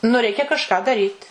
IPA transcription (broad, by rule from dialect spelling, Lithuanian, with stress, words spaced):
nʊ ˈrʲɛɪkʲɛ kɐʃˈkɑː dɐˈrʲiːt